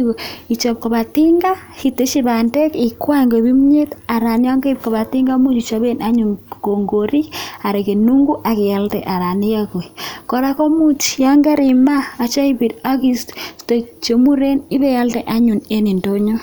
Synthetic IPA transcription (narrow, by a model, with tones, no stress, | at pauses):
o˨i˨t͡ʃo˨p̚ko˨βa˨ti˦ŋɡa˦hi˨te˦ʃi˦ba˨ndɛ˦ki˨kwa˦˨ŋɡo˨bi˦mɲe˦ta˨ɾa˨nja˦ŋɡa˦i˦p̚ko˨βa˨ti˦ŋɡa˦mu˦t͡ʃi˨t͡ʃa˦be˦na˦ɲu˨nko˨ŋɡo˨ɾi˦a˨ɾe˨ke˨nu˦ŋɡu˦ʔa˨ke˨ja˦ltɛ̰˨ʔa˨ɾa˨ni˦ja˦ko˨ikɔ˨ɾa˦ko˦mu˦t͡ʃja˦ŋɡa˦ɾi˨maː˦˨t͡ʃa˦i˦bi˨ɾa˦ki˦ststo˨t͡ʃo˨mu˦ɾe˦ni˦be˦ja˦ltɛ˦ʔa˦ɲu˨ne˦ni˨ndo˦ɲo˦